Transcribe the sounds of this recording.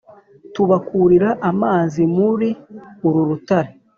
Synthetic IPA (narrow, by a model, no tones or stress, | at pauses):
tuβakuɾiɾaʔamaːzimuɾiuɾuɾutaɾe